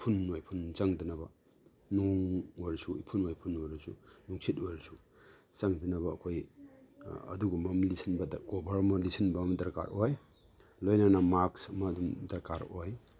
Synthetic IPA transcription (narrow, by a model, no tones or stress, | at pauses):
pʰunojpʰunzaŋdinɐbɐ | nuŋoɾsuipʰunojpʰunojɾsṵnuŋsʰit̚ojɾsu | zaŋdinɐbɐːkʰoj | ɐ̰duɡumɐmlisʰinbɐdɐɡobɐɾɐmɐlisʰinbɐmɐdɐɾka̰ɾʔoj | lojnanɐmaksɐmɐːdumdɐɾkaɾoj